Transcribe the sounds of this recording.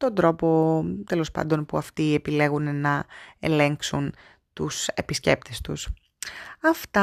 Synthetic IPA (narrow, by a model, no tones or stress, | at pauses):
t̪o̞nd̪ɾo̞po̞t̪e̞lo̞spɐ̰nd̪o̞npuɐft̪iepile̞ɣunenɐe̞̰le̞ŋksun | t̪use̞pisce̞̰p̚t̪e̞st̪us | ɐft̪ɐ